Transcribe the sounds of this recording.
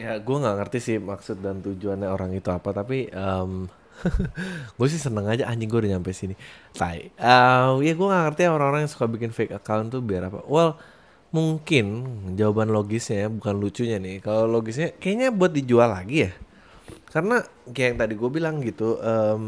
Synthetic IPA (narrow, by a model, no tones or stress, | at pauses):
jaɡuaŋaŋərt̪isɪhmaksʊt̪̚dant̪ud͡ʒuanɲaoɾaŋit̪uapat̪apiəm | ɡuas̬ɪhsənəŋad͡ʒaʔaɲd͡ʒɪŋɡuadiɲampajsinit̪a̰ɪ̰əmjaɡuaŋaŋərt̪ijaoɾaŋoɾaŋjaŋsu̥kabikɪnfekakawnt̪ubiaɾapa̰wəl | muŋkɪnd͡ʒawabanloɡɪsɲabukanlut͡ʃuɲanɪhkaloloɡɪs̬ɲakajaɲabuat̪̚did͡ʒualaɡijah | karəna | kaajaŋt̪adiɡuabilaŋɡit̪uʔəm